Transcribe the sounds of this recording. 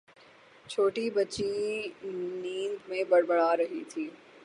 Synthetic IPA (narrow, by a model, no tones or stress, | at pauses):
t͡ʃʰoːʈibɐtːt͡ʃi | nĩːnd̪mẽbɐɽbɐɽaɾɐɦḭt̪ʰiː